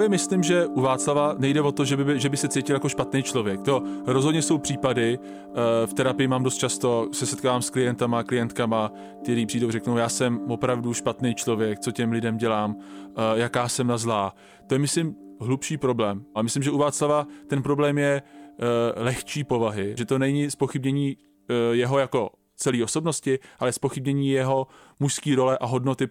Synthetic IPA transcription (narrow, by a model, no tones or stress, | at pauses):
vjɛmɪslɪmʒɛʔuvaːt͡slavanɛjdɛvo̞t̪o̞ʒɛbɪbɪʒɛbɪsɛt͡sejcɪljako̞ʃpat̪nɛjt͡ʃlo̞vjɛk̚t̪o̞ɾo̞zɦodɲɛso̞wpr̥iːpadɪ | ft̪ɛɾapɪjɪmaːmdost̪̚t͡ʃast̪o̞sɛsɛt̪kaːvaːmsklɪjɛnt̪amaklɪjɛnt̪kama | k̚t̪ɛɾiːpr̥iːdowrɛknowjaːsɛmvo̞pɾavduʃpat̪nɛjt͡ʃlo̞vjɛk̚t͡so̞cɛmlɪdɛmɟɛlaːmjakaːsɛmnazlaː | t̪ojɛmɪslɪmɦlupʃiːpɾo̞blɛːmʔamɪslɪmʒɛʔuvaːt͡slavat̪ɛnpɾo̞blɛːmjɛ | lɛxt͡ʃiːpo̞vaɦɪʒɛt̪onɛɲɪspo̞xɪbɲɛɲiː | jɛɦo̞jako̞ | t͡sɛliːo̞so̞bno̞scɪʔalɛspo̞xɪbɲɛɲiːjɛɦo̞ | muʃskiːɾo̞lɛʔaɦo̞dno̞t̪ɪ